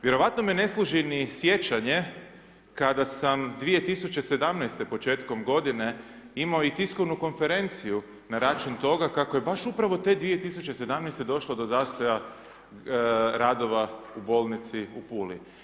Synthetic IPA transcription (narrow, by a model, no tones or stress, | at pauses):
ʋjeɾo̞ʋat̪nomiene̞slˠuʒinisje̞t͡ʃaɲe̞ | kad̪asamd̪ʋije̞t̪isut͡ɕe̞se̞d̪amnɛjst̪e̞po̞t͡ʃe̞ːt̪ko̞mɡo̞d̪ine̞imaoit̪iskoʋnuko̞nfe̞ɾe̞nt̪siju | naɾat͡ʃunt̪o̞ɡakakoje̞baʃupɾaʋo̞t̪e̞d̪ʋije̞t̪isut͡ɕese̞d̪amnɛjst̪e̞d̪o̞ʃlˠod̪o̞zaːst̪o̞ja | ɾad̪o̞ʋaubo̞lˠnit̪siupuːlḭ